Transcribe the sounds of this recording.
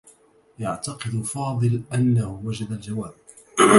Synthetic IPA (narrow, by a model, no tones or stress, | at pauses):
jaʕt̪ɑqɨd̪fɑːd̪ˤɨlʔanːahʊwad͡ʒad̪ald͡ʒawaːb̚